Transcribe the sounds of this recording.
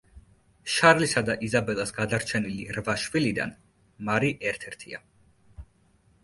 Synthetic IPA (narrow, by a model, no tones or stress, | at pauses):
ʃaɾlisad̪aʔizabɛlˠasɡad̪aɾt͡ʃʰɛniliɾvaʃvilid̪a̰n | maɾiʔɛɾt̪ʰɛɾt̪ʰia